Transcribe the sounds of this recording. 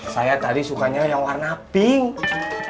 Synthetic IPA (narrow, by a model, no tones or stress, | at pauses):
sajat̪adisukaɲajaŋwarnapɪŋ